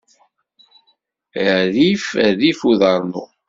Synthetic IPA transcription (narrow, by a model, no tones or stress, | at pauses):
ðifæðifuðɑɾˤnṵ